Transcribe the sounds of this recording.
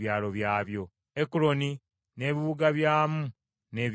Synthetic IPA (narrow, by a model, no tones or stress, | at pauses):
jaːlo̞βjaːβjo̞ | ekuɾo̞ni | ne̞ːβiβuɡaβjaːmu | ne̞ːβ